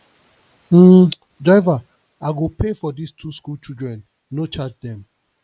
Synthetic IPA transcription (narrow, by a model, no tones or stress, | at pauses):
m̩ | dɹaɪva | aɡopefɔdistʰuskult͡ʃildɹɛ̃nː | ot͡ʃad͡ʒdɛ̃m